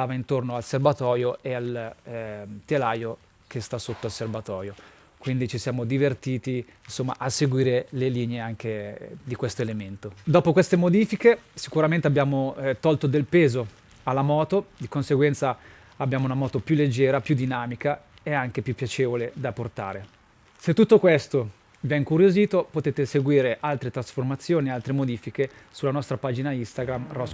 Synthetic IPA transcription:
aːvaint̪ornoalservat̪ɔːjoeal | t̪elaːjo | kʰest̪asot̪ːoalservat̪ɔːɾjo | kwind̪it͡ʃisjaːmod̪ivert̪iːt̪iinsomːa̰ʔasːeɡwiːɾeleliːneeaŋk̟ed̪ikwest̪oelement̪od̪ɔːpokwest̪emod̪iːfikesikuɾament̪eabːjaːmot̪ɔlt̪od̪elpeːzo | alːamɔːt̪od̪ikonseɡwɛnt̪sa | abjaːmounamɔːt̪opjulːed͡ʒːɛːɾapjud̪ːinaːmika | eaŋk̟epjupːjat͡ʃeːvoled̪aport̪a̰ːɾe | set̪ːut̪ːokwest̪o | vjɛŋkuɾjoziːt̪opot̪eːt̪eseɡwiːɾeʔalt̪ɾet̪ɾasformat̪sːjoːniealt̪ɾemod̪iːfike | sulanɔst̪ɾapaːd͡ʒinaist̪aɡɾamrɔs

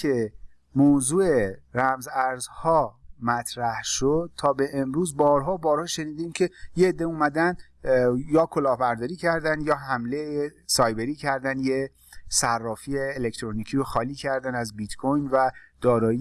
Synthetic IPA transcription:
e | moːzuːeɾæmzæɾzhɒːmæt̪ʰɾæhʃod̪̥̚t̪ʰɒːbe̞ʔːmɾuːzbɒːɾɦɒːbɒːɾhɒːʃe̞niːd̪imcʰe̞jeːd̪ːeumæd̪ænd̪ | jɒːkʰolɒːhbæɾd̪ɒːɾiːcʰæɾd̪ænd̪jɒːɦæmleesɒːjbe̞ɾiːcʰæɾd̪ænd̪je | særːɒːfieːlect̪ʰɾoniːcʰiːɾoxɒːliːcʰæɾd̪ænæzbit̪kʰojnvæd̪̥ɒːɾɒːi

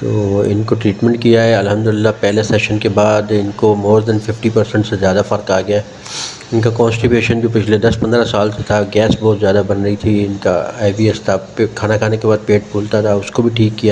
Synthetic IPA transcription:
t̪oːɪ̰nkoʈɾiːʈmɛ̃ɳʈ̚kijaɦɛɐlɦɐmd̪ʊlɪlːapɛɦlesɛːʃənkebaːd̪ɪnkomoːɾd̪ɛnfɪfʈipɐɾsə̃ɳʈsezjaːd̪afɐɾkaːɡɐjaɦɛ | ɪnkakɔ̃ːnsʈɪpjuːʃənd͡ʒoːpɪt͡ʃʰled̪ɐspɐ̃nd̪ɾasaːlset̪ʰaɡɛːsbɔːt̪zjaːd̪abɐnɾɐit̪ʰiɪnka̰aːɪbiːɛst̪ʰakʰaːnakʰaːnekebaːd̪̚peːʈ̚bʰʱuːlt̪at̪ʰaʊskobʱiʈʰiːkːija

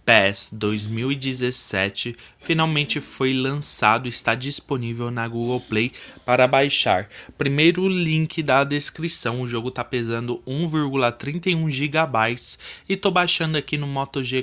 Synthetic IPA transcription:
pɛsd̪ojzmiwid͡ʒizesɛt͡ʃɪ | finawmẽnt͡ʃɪfojlɐ̃sad̪ʊɪst̪ad͡ʒisponivewnɐɡuɡɐwplejpaɾɐbajʃa̰ɾpɾimejɾʊlĩŋkɪd̪ɐd̪eskɾisɐ̃w̃ʊʒoɡʊt̪apezɐ̃nd̪ʊũviɾɡulɐt̪ɾĩnt̪ejũʒiɡabajt͡ʃɪ̥sɪt̪obajʃɐ̃nd̪ʊakinʊmɔt̪oʒe

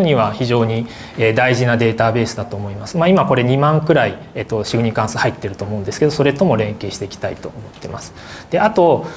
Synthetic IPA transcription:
oɲiβaçiʑo̞ːɲ̟i | eːd̪aiʑinad̪e̞ːt̪abe̞ːsɨd̪at̪o̞ːmo̞imasɨmaimako̞ɾe̞ɲ̟imãŋkɯ̟ɾai | eːt̪ːo̞ɕiɡɯ̟ɲikãsɨhait̪ːe̞ɾɯ̟t̪o̞ːmo̞ɯ̟̃nd̪esɨ̥ke̞d̪o̞so̞ɾe̞t̪o̞mo̞ɾẽ̞ŋke̞ːɕi̥t̪e̞ikʲi̥t̪aḭt̪o̞ːmo̞t̪ːe̞ma̰sɨ̥ | d̪̥e̞at̪o̞

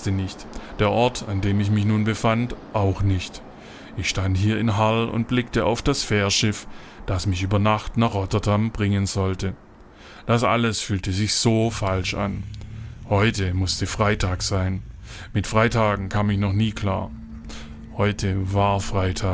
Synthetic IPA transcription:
tənɪçtd̥eːɐʔɔɐtʰandeːmɪçmɪçnuːnbəfantʔaʊxnɪçt | ʔɪçʃtanthiːɐɪnɦalʊ̰nt̚b̥lɪk̚təʔa̰ʊfd̥asfɛːɐʃɪf | d̥asmɪçʔyːbɐnaχtnaːχʁɔtɐdambʁɪŋənzɔltə | d̥asʔa̰ləsfyːltəzɪçz̥oːfalʃa̰n | hɔʏtəmʊstəfʁ̥aɪtʰaːkz̥aɪnmɪtfʁ̥aɪtʰaːɡŋ̩kʰaːmɪçnɔχniːkʰl̥a̰ːɐ | hɔʏtʰəvaɐfʁ̥aɪtʰaː

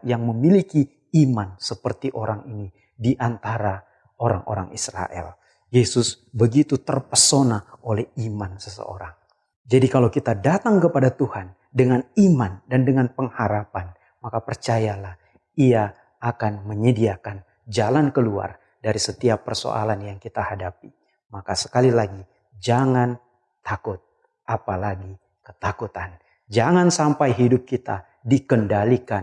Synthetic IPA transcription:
jaŋməmiliki | imansəpərt̪iʔoɾaŋini | diʔant̪aɾa | oɾa̰ŋʔo̰ɾa̰ŋʔḭsɾa̰ʔɛ̰l | jesʊs | bəɡit̪ut̪ərpəsonaʔolɛhimansəsə̰o̰ɾaŋ | d͡ʒadikalowkit̪adat̪aŋkəpadat̪uhan | dəŋanimandandəŋanpəŋhaɾapan | makapərt͡ʃajalah | iaː | kanməɲədiakan | d͡ʒalankəlua̰r | daɾisət̪iapːərso̰ʔa̰lanjaŋkit̪ahadapi | makasə̥kalilaɡi | d͡ʒaŋan | t̪akʊt̪̚ | ʔapalaɡi | kət̪akut̪an | d͡ʒaŋansampajɦidʊp̚kit̪a | dikəndalikan

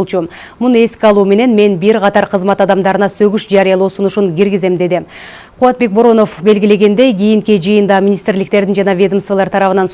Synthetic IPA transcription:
lˠt͡ʃu | munue̞skʲiɑlˠuːme̞ne̞nme̞nbiɾqʰɑt̪ɑɾqʰəzmɑt̪ɑd̪ɑmd̪ɑɾɯnɑsøɡyʃd͡ʒɑɾijɑlˠoːsunuʃuŋkʲiɾɡize̞md̪e̞d̪ɪ | qʰʊɑt̪̚be̞k̚bo̞ɾo̞no̞fbe̞lɡʲile̞ɡe̞nd̪e̞jɡʲijiŋkid͡ʒɯjɯnd̪ɑmʲinʲist̪rlɪkt̪e̞ɾd̪ɪnd͡ʒɑnɑvʲed̪əmsvɑlˠɑɾt̪ʰɑɾɑβɯnɑns

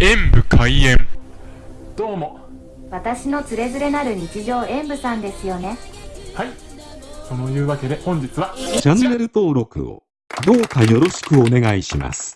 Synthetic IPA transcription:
ẽ̞mbɯ̟kʰaiẽ̞m | d̪̥o̞ːmo̞ | βat̪aɕino̞t͡sɨɾe̞zɨɾe̞naɾɯ̟ɲ̟it͡ɕiʑo̞ːʔẽ̞mbɯ̟sãnd̪e̞sɨjo̞ne̞hai | so̞no̞jɯ̟ːβake̞d̪e̞hõ̞ɲ̟d͡ʑit͡sɨβat͡ɕãnːe̞ɾɯ̟t̪o̞ːɾo̞kɯ̟̰o̰ | d̪o̞ːkajo̞ɾo̞ɕi̥kɯ̟o̞ne̞ɡaiɕima̰sɨ̥

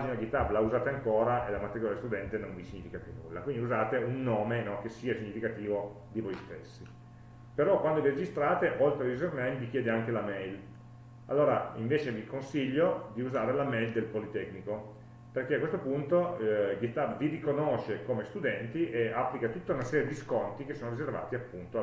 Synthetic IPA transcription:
ad͡ʒinaɡit̪ablauzaːt̪eaŋkoːɾaʔelamat̪ːeɡoɾiast̪ud̪ɛnt̪enoɱvisiɲːifikapjunːṵlːa̰kwind̪iuzaːt̪eunːoːmenɔk̟esːiːasiɲːifikat̪iːvo | d̪ivojst̪esːi | peɾɔkwand̪oviɾed͡ʒist̪ɾaːt̪eʔolt̪ɾeizornɛjmvik̟jɛːd̪eaŋk̟elamɛjl | a̰lːoːɾaiɱveːt͡ʃevikonsiʎːod̪iuzaːɾelamɛjld̪elpolit̪ɛkːniko | perkeakːwest̪opunt̪oɡist̪abvirikonoʃekomest̪ud̪ɛnt̪iʔeapːlikat̪ut̪ːaunasɛːɾjed̪iskont̪ik̟esːoːnoɾizerva̰ːt̪iapːunt̪o

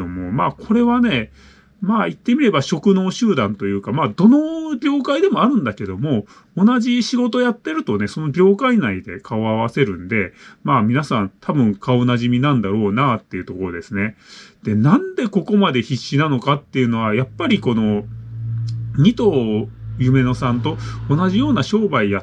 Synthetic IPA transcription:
omo̞maːkʰo̞ɾe̞βane̞ | maːit̪ːe̞mʲiɾe̞baɕo̞kɯ̟no̞ːɕɨːd̪ãnt̪o̞jɯ̟ːkamaːd̪o̞no̞bʲo̞ːkaid̪e̞moaɾɯ̟̃nd̪ake̞d̪o̞mo̞ː | naʑiɕiɡo̞t̪o̞jat̪ːe̞ɾɯ̟t̪one̞so̞no̞bʲo̞ːkainaid̪e̞kʰaoaβase̞ɾɯ̟̃nd̪e̞maːmʲinasãnt̪ʰabɯ̟̃ŋkʰaonaʑimʲinãnd̪aɾo̞ːnat̪ːe̞iɯ̟t̪o̞ko̞ɾo̞d̪esɨne̞d̪̥e̞nãnd̪e̞ko̞ko̞mad̪e̞çiɕːinano̞kat̪ːe̞jɯ̟no̞βajapːaɾʲiko̞no̞ | ɲ̟ʲit̪o̞ːjɯ̟me̞no̞sãnt̪o̞ːnaʑijo̞ːnaɕo̞ːbaija

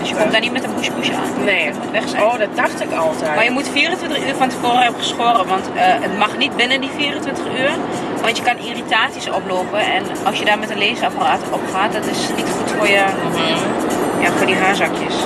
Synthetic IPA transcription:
døsjəkɔm̚danitmɛtənpuʃpuʃəa̰ːneutʋɛxsɛoddaxtɪkɑlˠtɛmajəmutfiərə̃ntʋɪntəχyːɹfɔntəfoːrəɦɛbəχəsoːrəʋɑntəʔətmɑχnit̚bɪnəndifiərə̃ntʋɪntəχyːr | ʋɑntjəkɑniritaːsisɔ̰ploːpəɛn | ɑlˠsjədaːɹmɛtəleːzəapəraːtʔɔpχaːt̚dɔtɪsnitχutfʊːɹjə | jaːfʊːɹdiɦaːɹzɑkjəs

